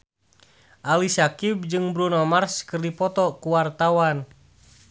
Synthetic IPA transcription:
ʔalisakib̚d͡ʒɨŋbɾunɔmarskɨrdipɔt̪ɔkuwart̪awan

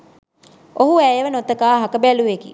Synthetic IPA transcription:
oɦuæjʋənot̪əkaːɦakəbæluʋekḭ

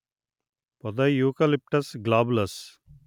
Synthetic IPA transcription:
pɔd̪ajuːkɐlɪp̚ʈɐsɡlaːblɐs

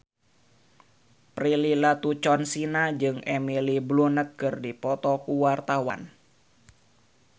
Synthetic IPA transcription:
prililat̪ut͡ʃɔnsinad͡ʒɨŋɛmiliblunət̪̚kɨrdipɔt̪ɔkuwart̪awa̰n

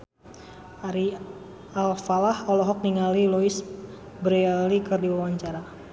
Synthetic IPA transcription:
aɾi | alfalahɔlɔɦɔk̚niŋalilɔis | bɾealikɨrdiwawaɲt͡ʃaɾa

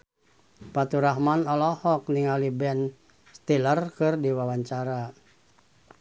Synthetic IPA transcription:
pat̪uɾaɦmanɔlɔhɔkniŋalibɛn | st̪ilərkɨrdiwawaɲt͡ʃaɾa

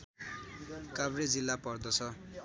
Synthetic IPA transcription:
kabred͡zilːapʌrd̪ʌt͡sʰʌ

